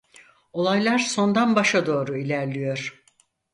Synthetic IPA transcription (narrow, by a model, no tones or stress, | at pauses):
o̞lˠajlˠaɾso̞nd̪anbaʃad̪o̞ːɾuilʲæɾlʲijo̞ɾ̥